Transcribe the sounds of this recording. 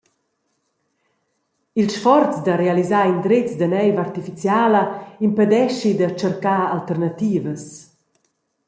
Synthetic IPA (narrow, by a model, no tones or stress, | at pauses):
ilʃfɔɾt͡sd̪aɾealizaːind̪ɾet͡sd̪anɛjvart̪ifit͡sjaːləimpɛd̪ɛʃid̪at͡ʃəɾkaalt̪ɛrnat̪iːvəs